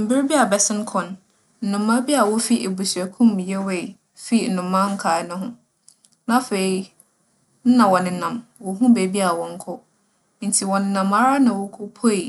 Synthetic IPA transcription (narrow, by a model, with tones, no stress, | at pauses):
m̩˨bɪ˦ɾbi˦a˨bɛ˨sɪ̃˦n˦kʰɔ̃˨n | n̩˨nʊ̃˨mã˦bi˦a˨wɔ˦fi˦ʔe˨bu˨sæ˨kʰũ˦m˨jɛ˦we˦˨ | fi˦˨n̩˨nʊ̃˨mːã˦ŋ̩˦kʰa˨nʊ̃˦ɦʊ̃˦ | nã˦fe˨i˦ | n̩˦nã˨wɔ˨nɪ̃˨˦nã˨mwɔ˨ɦũ˦be˨bi˦a˨wɔ̃˨ŋ̩˦kʰʊ˦ | n̩˨tʰi˨wɔ̃˨nɪ̃˦nã˨ma˦ɾa˦nã˨wɔ˦kʰʊ˦pʰo˦i˨